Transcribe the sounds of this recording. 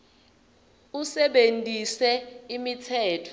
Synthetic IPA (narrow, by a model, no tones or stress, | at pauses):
usɛɓentʼisɛimitʰɛːtʰɔ̥